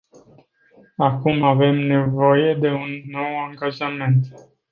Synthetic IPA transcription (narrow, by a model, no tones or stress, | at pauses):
akumave̞mne̞voje̞d̪e̞unːo̞waŋɡaʒame̞nt̪